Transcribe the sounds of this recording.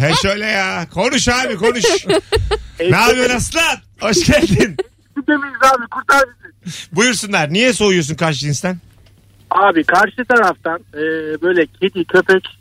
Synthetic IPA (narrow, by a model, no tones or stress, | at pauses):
hɛʃøjlʲɛjakʰo̞nuʃhaːbiko̞nuʃ | aːbijonaslˠat̪ho̞ʃcælʲd̪in | id̪emijizaːbikʰuɾt̪ʰaɾd͡ʒid̪ibujuɾsunˠaɾnijɛsojjos̬unkaɾʃ̬ɯinst̪ʰæn | aːbikʰaɾʃɯt̪ʰaɾaft̪ʰanɛːbøjlʲɛcʰed̪icʰøpɛc